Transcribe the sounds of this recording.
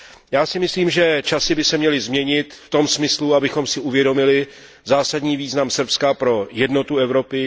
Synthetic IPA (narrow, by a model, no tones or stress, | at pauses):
jaːsɪmɪsliːmʒɛt͡ʃasɪbɪsɛmɲɛlɪzmɲɛɲɪt̪ft̪o̞msmɪsluabɪxo̞msɪuvjɛdo̞mɪlɪ | zaːsadɲiːviːznamsr̩pskapɾo̞jɛdno̞t̪uɛvɾo̞pɪ